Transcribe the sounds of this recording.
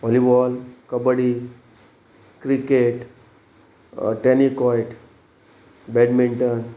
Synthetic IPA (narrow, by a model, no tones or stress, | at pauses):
ɔlibɔlkəbəɽi | kɾikeʈ | ʈenikɔjʈ | bɛɖmiɳʈən